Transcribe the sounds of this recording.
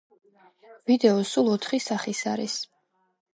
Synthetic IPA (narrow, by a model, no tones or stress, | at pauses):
vid̪ɛɔsulˠɔt̪ʰχisaχisaɾḭs